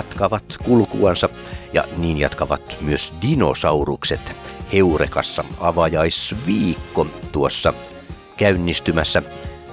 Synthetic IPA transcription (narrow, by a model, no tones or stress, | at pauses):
ɑt̪kɑʋɑt̪kulkuɑnsɑ | jɑ̰niːnjɑ̰t̪kɑʋɑ̰t̪myøsdino̰sɑurukset̪heurekɑsːɑɑʋɑjɑisʋiːkːot̪uosːɑ | kæynːist̪ymæsːæ